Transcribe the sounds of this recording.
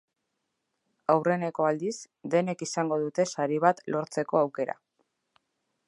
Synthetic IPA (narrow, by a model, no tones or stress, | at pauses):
awre̞ne̞ko̞ald̪is | d̪e̞ne̞kisaŋɡo̞ðut̪e̞saɾiβ̞at̪lo̞ɾt͡se̞ko̞awke̞ɾa̰